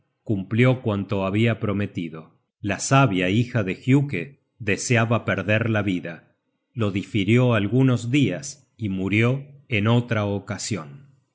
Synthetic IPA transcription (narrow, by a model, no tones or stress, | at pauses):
kumpljo̞kwant̪oaβiapɾo̞me̞t̪iðo̞ | lasaβjaixaðe̞xjuke | ðeseaβapeɾðeɾlaβiða | lo̞ðifiɾjoalɣuno̞zðias | imuɾjo̞eno̞t̪ɾaokasjo̞n